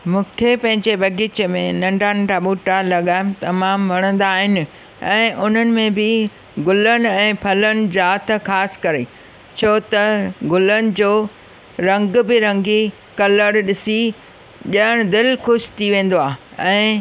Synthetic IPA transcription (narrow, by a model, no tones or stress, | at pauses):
mũːkʰepɐ̃ɦɪ̃ɲd͡ʑebʱɐɡit͡ɕmḛ̃nɐ̃ɳɖanɖaɓuːʈalɐɠaːɪmt̪ɐmaːmʋɐɽ̃ə̃nd̪aːɦɪnɪ̆ | ɛ̃ːʔʊn̤ənɪ̆mẽbɪ | ɡʊlənɪ̆ɛ̃ːpʰɐlənɪ̆d͡ʑaːt̪̆ʰxaːsɪ̥kɐɾe | t͡ɕʰoːt̪ɐɡʊlənɪ̆d͡ʑoː | ɾɐ̃ŋɡbɪɾɐ̃ŋɡi | kɐləɽɗɪsi | ɗɐəɽ̃d̪ɪlxʊʃt̪ʰiʋẽːn̆d̪oaːɦ | ɛ̃ː